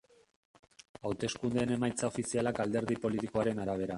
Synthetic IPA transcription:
awt̪e̞skund̪e̞ːne̞majt͡sao̞fisialakald̪e̞ɾð̞ipo̞lit̪iko̞aɾe̞naɾaβ̞e̞ɾa

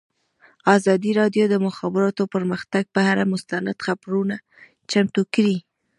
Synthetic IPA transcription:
ɑzɑd̪iɾɑdjod̪əmʊxɑbɪɾɑt̪opəɾməxt̪aɡ̚pəhaɾamʊst̪ana̰d̪̥xabɾuna | t͡ʃamt̪ukɽi

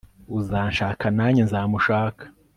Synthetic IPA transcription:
uzaːnʃaːkanaɲenzaːmuʃaːkḁ

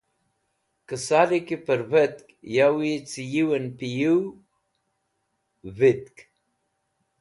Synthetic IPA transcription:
kəsalikepəɾvət̪kjawiet͡sijiwənpiju | vit̪k

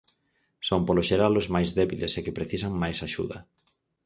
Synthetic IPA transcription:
sompoloʃeɾalozmajzðɛβilesekepɾeθisaŋmajsaʃṵðɐ̰

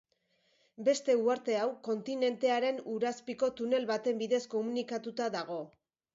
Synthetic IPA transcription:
be̞st̪e̞uaɾt̪e̞awko̞nt̪ine̞nt̪e̞aɾe̞nuɾaspiko̞t̪une̞lβat̪e̞mbiðe̞sko̞munikat̪ut̪aðaɣ̞o̞

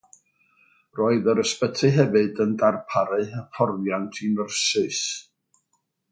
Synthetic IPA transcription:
roːɨðəɾəspətʰɨɦɛvɨdəndarpʰaɾɨəpʰɔrvjantʰinərsɨs

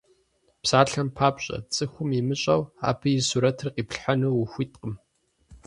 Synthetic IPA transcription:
psaːɬɐmpʰaːpɕʼɐ̰t͡sʼɨxʷʊmimɨɕʼɐwa̰ːbʰɨjɪsuɾɐtʰɨrqiːpɬħanɨwuxʷiːtqəm

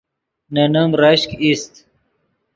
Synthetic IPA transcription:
nɐnɐmɾaɕkist̪

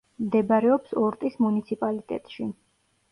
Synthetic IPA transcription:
md̪ɛbaɾɛɔpsɔɾt̪ʼismunit̪sʰipʼalit̪ʼɛ̰t̪ʼʃi

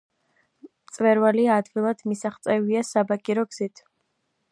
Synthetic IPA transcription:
mt̪sʼvɛɾvaliːd̪ɡilˠad̪̥misaχt̪sʼɛviasabakʼiɾɔɡz̥it̪ʰ

